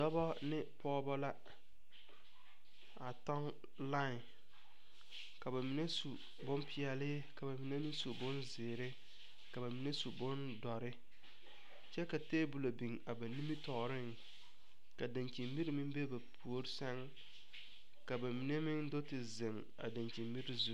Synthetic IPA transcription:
dɔ˦bɔ˦nɪ˦pɔː˦bɔ˦la˦ | a˨tɔ˦ŋ | la˦˨ | ka˨ba˨mi˨ne˦su˨ | bʊ˦mpʰɪ˦ɛ˨lɪ˦ | ka˨ba˨mi˨ne˦mɪ˦ŋsu˨bʊ˦nzɪː˨ɾɪ˦ | ka˨ba˨mi˨ne˦su˨bʊ˦n | dɔ˨ɾɪ˦ | t͡ʃɛ˦ka˨teː˦bu˨lo˨bi˨ŋa˨ba˨ni˦mi˦tɔː˨ɾɪ˦ŋ | ka˨da˨nt͡ʃi˨mbi˦ɾi˦mɪ̃˦m˦be˦ba˨pʰu˨o˦ɾɪ˦sɛ˦ŋ | ka˨ba˨mi˨ne˦mɪ˦ŋdo˦tɪ˨zɪ˨ŋ | a̰˨da˨nt͡ʃi˨mbi˦ɾɪ˦zu˨˦

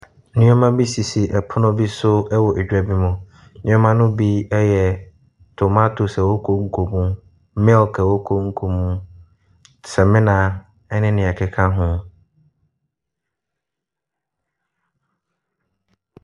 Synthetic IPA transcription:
nɪ̃˦ɔ̃˦mã˦bi˦si˨si˨ʔɛ˨pʰʊ˦nʊ̃˦bi˦sʊ˦ɛ˦wɔ˨ʔɛ˨d͡ʑᶣa˨bi˦mʊ̃˨ | nɪ̃˦ɔ̃˦mã˦nʊ̃˦bi˦ɛ˦jɛ˨ | tʰo˨ma˦tʰʊ˨sɛ˨wo˦kʰo˦ŋ̩˦kʰo˨mũ˦ | mɛ˦lkʰɛ˨wo˦kʰo˦ŋ̩˦kʰo˨mũ˦ | sɛ˨mɪ̃˦nã˨ | ɛ˦nɪ̃˦nɪ̃˨ɛ˨kʰɪ˨kʰa˦ɦʊ̃˦

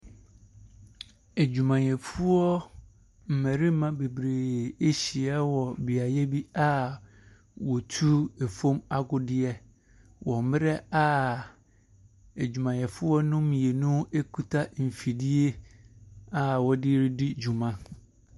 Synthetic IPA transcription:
e˨d͡ʑu˨mã˨ɲ˨ɛ̃˨fu˦ɔ˦ | m̩˨mɛ̃˨ɾi˦mã˦be˨bɾeː˨e˦ɕi˨ɛ˦wɔ˨bɪ˨a˨jɛ˦bi˦a˦ | wɔ˨tʰu˦e˨fo˦ma˦ɡʊ˦dɪ˦ɛ˦ | wʔɔ̃˨˦mɪ˦ɾɛ˦a˦ | e˨d͡ʑᶣu˨mã˨ɲ˨ɛ̃˨fʊ˦ɔ˦nʊ̃˦mĩ˨e˨nʊ̃˦e˦kʰu˦tʰa˦m̩˨fi˨di˦e˦ | a˨wɔ˦dɪ˦ɾi˦dɪ˦d͡ʑu˨mã˦

